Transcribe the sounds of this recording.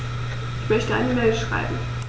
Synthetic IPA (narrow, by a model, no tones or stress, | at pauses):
ʔɪçmœçtəʔa̰ɪnəmɛlʃʁ̥a̰ɪbm̩